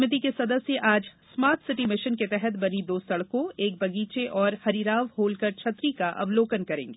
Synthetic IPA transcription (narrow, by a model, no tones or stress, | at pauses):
mɪt̪̬ikesɐd̪əsjəʔaːd͡ʒsmaːɾt̪ʰsɪʈimɪʃənket̪ɛɦɛt̪bɐnid̪oːsɐɽkõeːk̚bɐɡiːt͡ʃeʔɔːɾhɐɾiːɾaːʋhoːlkɐɾt͡ʃʰɐt̪ɾikaʔɐ̰ʋloːkənkɐɾẽːŋɡeː